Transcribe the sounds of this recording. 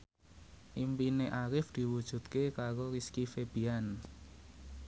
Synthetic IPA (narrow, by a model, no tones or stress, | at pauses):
ʔimpineʔaɾɪfd̪̥i̤wud̥ʒ̥ṳt̪̚kekaɾoɾiskifeb̥i̤an